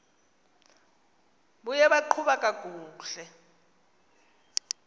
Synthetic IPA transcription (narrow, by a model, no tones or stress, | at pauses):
ɓujɛɓaǃʰuɓakʼak̬ʼuːɬɛ